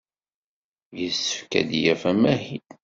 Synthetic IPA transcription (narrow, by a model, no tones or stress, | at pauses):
jəsːə̥fkæ̰d̪jæfæmæhid̪